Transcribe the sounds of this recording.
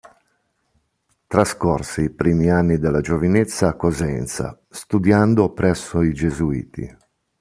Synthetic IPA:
t̪ɾaskorsiːpɾiːmianːid̪elːad͡ʒovinet̪sːakːozɛ̰nt̪sa̰ | st̪ud̪jand̪opɾɛsːoid͡ʒezuḭːt̪ʰḭ

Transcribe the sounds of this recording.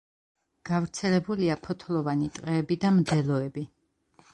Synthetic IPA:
ɡ̥avɾt̪sʰɛlɛbuliapʰɔt̪ʰlˠɔvanit̪ʼqʼɛːbid̪amd̪ɛlˠɔɛbi

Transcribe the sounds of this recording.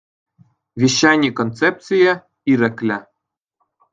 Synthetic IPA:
vʲiɕːanʲikont̪t͡sep̪̚t͡sije | iɾɘ̆klʲɘ̆

